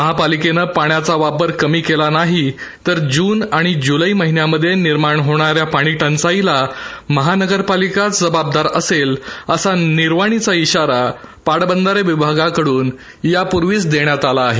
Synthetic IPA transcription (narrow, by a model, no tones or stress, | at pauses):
məɦapalikenəpaɽjat͡saʋapəɾkəmiːkelanaɦi | t̪əɾd͡ʑuːnaɽ̃id͡ʑuləiməɦinjaməd̪ʱːjeniɾmaɳɦoɽ̃aɾjapaɽ̃iʈʰãnt͡sailaməɦanəɡəɾpalikat͡sd͡zəbab̚d̪aɾəseləsaniɾʋaɽ̃it͡saiɕaɾa | paɽbənd̪əɾeʋibʱaɡakəɽuːn | japuɾʋiːt͡sd̪eɳjat̪alaːɦe